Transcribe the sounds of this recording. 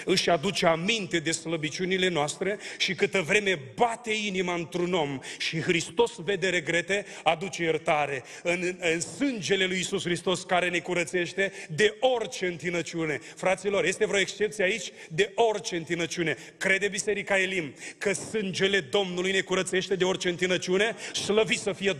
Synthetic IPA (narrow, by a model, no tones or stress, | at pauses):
ɨʃʲad̪ut͡ʃeamint̪e̞d̪e̞sləbit͡ʃunile̞noast̪ɾe̞ʃikɨt̪əvɾe̞me̞bat̪e̞inimaɨnt̪ɾuno̞mʃixɾist̪o̞sve̞d̪e̞ɾe̞ɡɾe̞t̪e̞ | ad̪ut͡ʃejert̪aɾe̞ | ɨnɨnsɨnd͡ʒe̞le̞lujisusxɾist̪o̞skaɾe̞ne̞kuɾət̪se̞ʃt̪e̞d̪e̞o̞rt͡ʃe̞ɨnt̪inət͡ʃiune̞ | fɾat̪silo̞rje̞st̪evɾeo̞ekst͡ʃe̞p̚t̪sieait͡ʃʲ | d̪e̞o̞rt͡ʃe̞ɨnt̪inət͡ʃiune̞ | kɾe̞d̪ebise̞ɾikaelimkəsɨnd͡ʒe̞le̞d̪o̞mnulujne̞kuɾət̪se̞ʃt̪e̞d̪e̞o̞rt͡ʃe̞ɨnt̪inət͡ʃiune̞sləvisəfije